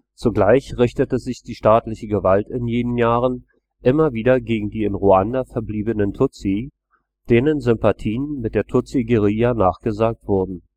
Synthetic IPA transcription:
t͡suɡlaɪçʁɪçtətəzɪçd̥iːʃtaːtlɪçəɡəvaltɪnjeːnənjaːʁən | ʔɪmɐviːdɐɡeːɡŋ̩diːɪnʁuandafɛɐbliːbənəntʰʊt͡si | d̥eːnənzʏmpatʰiːənmɪt̚d̥eːɐtʰʊt͡siɡəʁiːjaːnaːχɡ̥əzaːk̚tv̥ʊɐdn̩

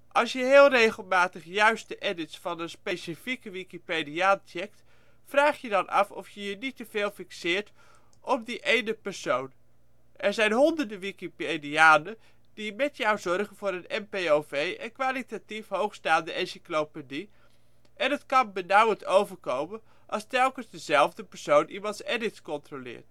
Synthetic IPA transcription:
ʔɑlˠsjəɦɪːlˠrejχəlˠmaːtəχjœɥstəʔɛdɪtsfɑnənspejsifikəʋikipediaːnt͡ʃɛk̚t | fraːχjədɑnʔɑ̰fɔfjəjənitəv̥eːlˠfiksɪːɹt | ʔɔpdiʔejnəpɛɹsown | ʔɛɹzɛjnɦɔndəɹdəʋikipediaːnə | d̥imɛtjawzɔrχənvʊːɾənɛmpejovejʔənkʋaːlitatifɦowχstaːndəʔɛnsiklopedi | ʔɛnətkɑnbənawəntowvəɹkowmən | ʔɑlˠstɛlˠkənzdəzɛlˠvdəpəɹsownʔimɑntsɛdɪtskɔntrolɪ̰ːɹt

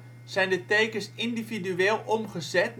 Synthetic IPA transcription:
sɛjndəteːkəsindividyeːlˠʔomχəzɛt

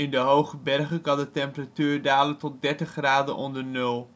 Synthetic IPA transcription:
ɪndəɦowχəbɛrχəkɑndətɛmpəratyːrdaːləntɔt̚dɛɹtəχraːdənʔɔ̰ndəɹnɵlˠ

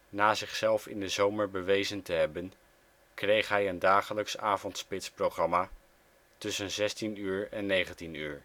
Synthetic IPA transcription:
naːzɪχsɛlˠfɪ̰ndəzowməɹbəʋejzəntəɦɛbən | krejχɦɛjəndaːχələksaːvɔntspɪtsprowχrɑmaː | tɵsənzɛstinyːɹɛnːejχəntiny̰ːɹ

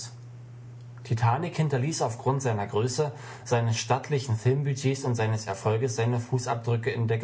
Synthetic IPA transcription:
tʰitʰaːnɪkhɪntɐliːsaʊfɡ̥ʁʊntz̥aɪnɐɡʁøːsə | z̥aɪnəsʃtatʰlɪçn̩fɪlmbyd͡ʒeːsʊntz̥aɪnəsɛ̰ɐfɔlɡəsz̥aɪnəfuːsa̰p̚d̥ʁʏkəɪndeːɐɡ

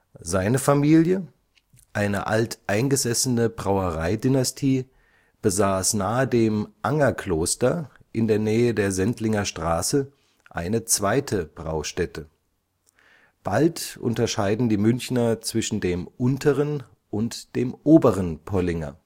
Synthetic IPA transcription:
zaɪnəfamiːljə | ʔaɪnə̰ʔaltʔaɪnɡəzɛsənəbʁaʊəʁaɪdinastʰiː | b̥əzaːsnaːədeːmʔaŋɐkl̥oːstɐ | ʔɪndeːɐnɛːədeːɐzɛntlɪŋɐʃtʁ̥aːsə | ʔa̰ɪnət͡sv̥aɪtʰəb̥ʁa̰ʊʃtɛtʰə | b̥altʔʊ̰ntɐʃaɪdn̩diːmʏnçnɐt͡sv̥ɪʃn̩deːmʔʊntʰəʁən | ʔʊntd̥eːmʔoːbəʁənpʰɔlɪŋɐ̰

